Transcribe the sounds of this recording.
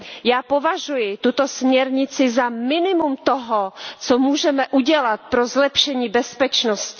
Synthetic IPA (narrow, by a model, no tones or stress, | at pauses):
jaːpovaʒujɪt̪ut̪o̞smɲɛɾɲɪt͡sɪzamɪnɪmumt̪oɦot͡somuːʒɛmɛʔuɟɛlat̪̚pɾozlɛpʃɛɲiːbɛspɛt͡ʃnoscɪ